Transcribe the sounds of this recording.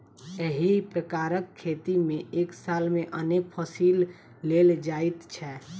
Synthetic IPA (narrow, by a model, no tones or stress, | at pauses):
əɦipɾəkaːɾəkʰːet̪imẽʔeːksaːlmẽʔənek̚pʰəsiːlː | eld͡ʒaːit̪t͡ʃʰɛ